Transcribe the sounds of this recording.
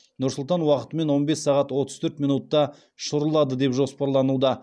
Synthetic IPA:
nʊɾsʊlˠt̪ɑnwɑqə̥t̪əme̞nwo̞nbe̞sːɑʁɑt̪wo̞t̪əz̥t̪ʰɵɾt̪minut̪ːɑ | ʃʊɾəlˠɑd̪əd̪e̞pʒo̞spɑɾlˠɑnud̪ɑ

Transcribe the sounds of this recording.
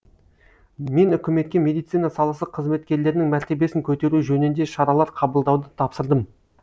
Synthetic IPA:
me̞nʏkʲɪme̞t̪kʲe̞mʲe̞d̪ijt̪sijnɑsɑlˠəsəqʰːəzme̞t̪̚kʲe̞ɾle̞ɾɪnɪŋmæɾt̪e̞be̞sɪŋkʲʰɵt̪e̞ɾuʒɵnɪnd̪e̞ʃɑɾɑlˠɑɾqʰɑbəlˠd̪ɑwd̪ət̪ʰɑpsəɾd̪əm

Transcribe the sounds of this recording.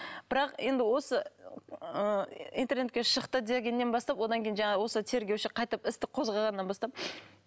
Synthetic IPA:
b̥ɪɾɑqe̞nd̪ɪwo̞sə | əḭnt̪e̞rne̞t̪kʲeʃəqt̪əd̪eɡʲe̞nːenbɑst̪ɑpwo̞d̪ɑŋkʲejinʒɑɴɑwo̞sət̪ʰe̞ɾɡʲewʃɪqʰɑjt̪əpɪst̪ɪqʰo̞zʁɑʁɑnːɑnbɑst̪ɑp̚

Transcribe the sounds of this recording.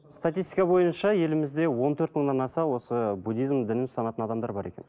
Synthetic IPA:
st̪at̪ijst̪ijkɑbo̞jənʃɑje̞lɪmɪzd̪e̞wo̞nt̪ʰɵɾt̪məɴd̪ɑnɑsɑwo̞səbud̪ʲijzmd̪ɪnɪnst̪ɑnɑt̪ənɑd̪ɑmd̪ɑɾbɑɾe̞̰kʲen

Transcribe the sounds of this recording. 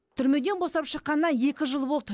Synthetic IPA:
t̪ʰʏɾme̞d̪e̞nbosɑpʃəqːɑnənɑe̞kʲɪʒəlˠbo̞lˠt̪

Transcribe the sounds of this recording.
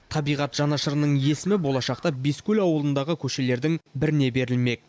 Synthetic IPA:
t̪ʰɑbijʁɑt̪ʒ̥ɑnɑʃəɾənəɴje̞sɪmɪbo̞lˠɑʃɑqt̪ɑbeskʲulɑwəlˠənd̪ɑʁəkʲʰɵʃe̞le̞ɾd̪ɪŋbɪɾɪne̞be̞ɾɪlme̞k̚

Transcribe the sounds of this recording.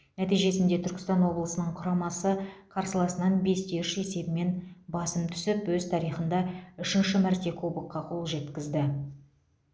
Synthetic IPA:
næt̪ijʒe̞sɪnd̪e̞t̪ʰʏɾkʲɪst̪ɑnwo̞blˠəsənəɴqʰʊɾɑmɑsəqʰɑɾsəlˠɑsənɑnbe̞st̪eʃe̞se̞bɪme̞nbɑsəmt̪ʰʏ̥sɪpwɵzt̪ʰɑɾijχənd̪ɑʏʃɪnʃɪmæɾt̪e̞kʰobuqqːɑqʰo̞lˠʒe̞t̪kʲɪzd̪ɪ

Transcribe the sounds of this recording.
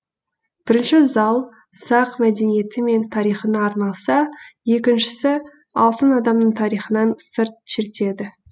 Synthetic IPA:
b̥ɪɾɪnʃɪzɑlˠ | sɑqmæd̪e̞nije̞t̪ɪme̞nt̪ʰɑɾijχənəɑɾnɑlˠsɑje̞kʲɪnʃɪ̥sɪ | ɑlˠt̪ənɑd̪ɑmnəɴt̪ʰɑɾijχənɑnsəɾt̪̚ʃɪɾt̪e̞d̪ɪ

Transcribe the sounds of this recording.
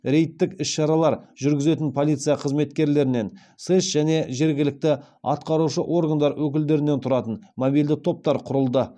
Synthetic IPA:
ɾʲe̞jt̪ːɪkɪsʃɑɾɑlˠɑɾʒʏɾɡʲɪze̞t̪ɪnpʰolit̪sɨijɑqʰəzme̞t̪kʲe̞ɾle̞ɾɪne̞n | sesʒ̥æne̞ʒe̞ɾɡʲɪlɪk̚t̪ɪ | ɑ̰t̪qɑɾuʃəʔo̞rɡand̪ɑɾwʔɵkʲɪld̪e̞ɾɪnet̪ʰʊɾɑt̪ənmobijld̪ɪt̪ʰo̞p̚t̪ɑɾqʰʊɾəlˠd̪ə

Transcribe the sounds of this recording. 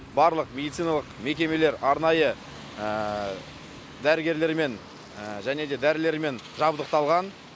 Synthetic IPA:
bɑɾlˠəqme̞d̪it̪sijnɑlˠəqme̞kʲe̞me̞le̞ɾɑɾnɑjə | ə | d̪æɾɪɡʲe̞ɾle̞ɾme̞n | ʒæne̞d̪e̞d̪æɾɪle̞ɾme̞n | ʒɑbd̪əq̚t̪ɑlˠʁɑn

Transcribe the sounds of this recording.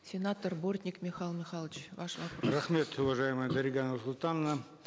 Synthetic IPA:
sʲenat̪orbort̪ʲnʲɪkmʲɪχɑlˠmʲɪχɑlˠət͡ɕvɑʂvɑprɐχmʲe̞t̪ʊvɐʐajɪməjəd̪ɐɾʲɪɡanəsʊlˠt̪ɑnːə

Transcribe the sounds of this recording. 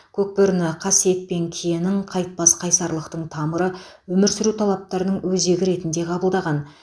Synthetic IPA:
kʲʰɵk̚pɪɾnɪqʰɑsijet̪̚pe̞ŋkʲʰijenɪɴqʰɑjt̪̚pɑsqʰɑjsɑɾlˠəqt̪əɴt̪ʰɑməɾəwɵmɪɾsɪɾut̪ʰɑlˠɑp̚t̪ɑɾnəɴwɵze̞ɡʲɪɾe̞t̪ɪnd̪e̞qʰɑbəlˠd̪ɑʁɑn

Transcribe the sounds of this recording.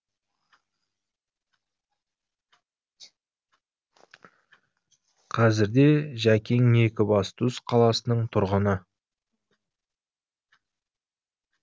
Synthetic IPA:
qʰɑzɪɾd̪e̞ʒækʲeŋe̞kʲɪbɑst̪ʰusqʰɑlˠɑsənəɴt̪ʰʊɾʁənə

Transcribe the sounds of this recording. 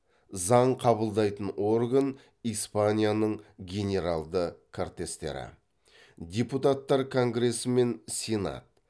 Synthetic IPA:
zɑɴqʰɑbəlˠd̪ɑjt̪əno̞rɡən | ispanʲijanəɴɡʲe̞nʲe̞ɾalˠd̪əkʰort̪e̞st̪e̞̰ɾɪ̰ | d̪ʲeput̪at̪ːɑɾkʰo̞ŋɡɾe̞səme̞nsʲena̰t̪̚

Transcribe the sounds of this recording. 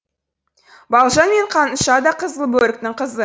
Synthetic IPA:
bɑlˠʒɑnme̞ɴqʰɑnʃɑd̪ɑqʰəzəlˠbɵlʲɪk̚t̪ɪŋqʰəzə

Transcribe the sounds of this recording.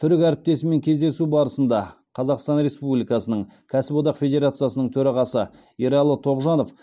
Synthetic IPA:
t̪ʰʏɾɪkʲæɾɪp̚t̪e̞sɪme̞ŋkʲʰe̞zd̪e̞subɑɾəsənd̪ɑ | qʰɑzɑqst̪ɑnɾe̞spublʲijkɑsənəɴkʲʰæsɪbo̞d̪ɑqfʲe̞d̪ʲe̞ɾat̪sɨjasənəɴt̪ʰɵɾɑʁɑsə | iɾɑlˠːət̪ʰo̞ʁʒɑno̞f

